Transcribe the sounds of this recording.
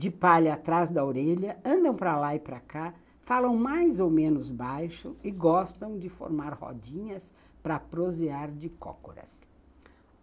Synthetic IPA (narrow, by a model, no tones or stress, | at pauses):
d͡ʒɪpaʎat̪ɾazd̪ɐoɾeʎɐɐ̃nd̪ɐ̃w̃pɾɐlaɪpɾɐka | falɐ̃w̃majzowmẽnʊzbajʃʊɪɡɔst̪ɐ̃w̃d͡ʒɪfo̰ɾmaɾhɔ̰d͡ʒĩɲɐs | pɾɐpɾoziaɾd͡ʒɪkɔ̰ko̰ɾɐ̰s